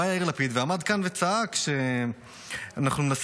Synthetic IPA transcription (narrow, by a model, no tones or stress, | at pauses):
ajailapid̪veamad̪kanvet͡saakʃe | anaχnunenas